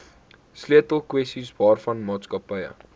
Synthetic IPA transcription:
sliətəlˠkwɛstisbɑːrfɐnmɑːtskɐpəjə̰

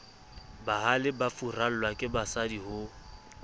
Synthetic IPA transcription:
bahalɪbafural̩lwakʼɪbasadihʊ

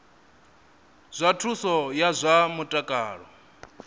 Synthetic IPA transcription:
z̥ʷatʰusɔjazʷamutʼakʼaːɺɔ

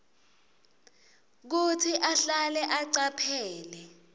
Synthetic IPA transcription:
k̬utʰiʔaɬalɛʔaǀapʰɛːlɛ

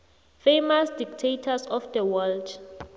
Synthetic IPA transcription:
femasdik̚tʰetʰasɔfdɛwɛld

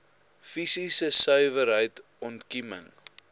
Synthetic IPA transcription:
fisisəsœɥvəɾɦəjt | ɔntkimə̰ŋ

